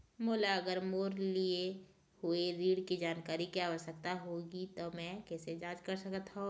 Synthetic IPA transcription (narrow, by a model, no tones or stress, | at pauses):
moːlaɐɡəɾmoːɾlie | hʊeɾiːɽkid͡ʒaːnkaːɾikjaːʋəʃək̚t̪aɦoːɡit̪omɛ̃kɛːsed͡ʒãːd͡ʒkəɾsɐkət̪ɦao